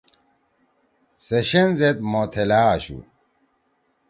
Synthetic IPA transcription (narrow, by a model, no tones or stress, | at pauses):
seɕenzet̪mot̪ʰelaːɕṵ